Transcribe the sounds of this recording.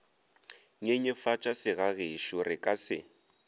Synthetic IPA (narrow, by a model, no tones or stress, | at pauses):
ŋeɲɛfat͡ʃʼasɪɣaɣeʃʊrɪkʼasɪ̰